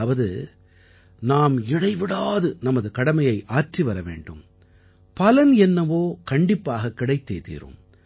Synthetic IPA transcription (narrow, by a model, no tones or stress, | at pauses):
ɐʋɐðɯ̰ | naːmɪɽɐɪʋɪɽaːðɯnɐmɐðɯkɐɽɐmɐjɐɪʔaːrʈriʋɐɾɐʋḛːɳɖɯ̰m | pɐlɐnɛnːɐʋoːkɐɳɖɪpːaːɣɐkːɪɽɐɪt̪ːḛːt̪ḭːɾɯ̰m